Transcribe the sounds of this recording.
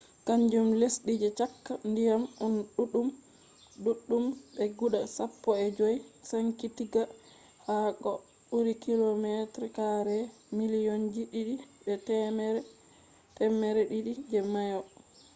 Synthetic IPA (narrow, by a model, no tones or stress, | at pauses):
kaɲd͡ʒumlesɗid͡ʒɛt͡ʃakːandijamunɗuɗum | duɗːumbɛɡuɗasapːɔɛd͡ʒojsaŋkitiɡa | hakɔ | ɓuɾikilomɛtɾikaɾɛ | milijond͡ʒiɗiɗibɛtɛmɛɾɛ | tɛmɛɾɛɗiɗid͡ʒɛmajɔ